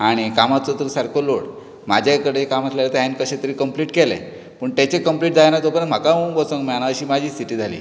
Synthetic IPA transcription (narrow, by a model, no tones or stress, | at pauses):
aɽ̃ikamat͡sɔt̪uɾsaɾkʰoloɽ | mad͡ʑʱakəɽeekamaslalet̪əɦankəɕet̪əɾiːkəmpliːʈkelḛ̃ | pəɳt̪jat͡ɕekəmpliːʈ̚d͡zajnat̪opənət̪m̤akaobɔt͡sõŋkmanaaɕiːmad͡ʑʱiːsiʈiːd͡zʱalḭː